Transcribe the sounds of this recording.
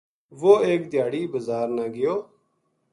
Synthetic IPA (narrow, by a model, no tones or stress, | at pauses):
ʋoːeːk̚d̪ɪjaːɽiːbəzaːɾnaːɡɪjoː